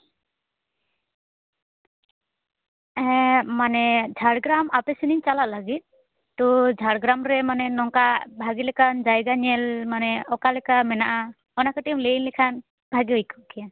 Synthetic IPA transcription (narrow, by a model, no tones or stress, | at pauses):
ɛmanɛd͡ʒʱaɽɡɾamapɛsiniɲt͡ʃalaʔlaɡit̪̚ | t̪ɔd͡ʒʱaɽɡɾamɾɛmanɛnɔŋkabʱaɡilɛkʰand͡ʒajɡaɲɛlmanɛɔkalɛkamɛnaʔa | ɔnakaʈimlejnlɛkʰan | bʱaɡiɔjkʰɔkʰijan